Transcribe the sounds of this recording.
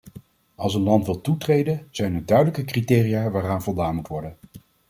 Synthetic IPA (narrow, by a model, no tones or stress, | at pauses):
ɑlˠs̬ənlɑntʋɪlˠtutrejdənz̥ɛjnədœɥdələkəkritɪːrijaːʋaːraːnvɔlˠdaːnmutʋɔɹdən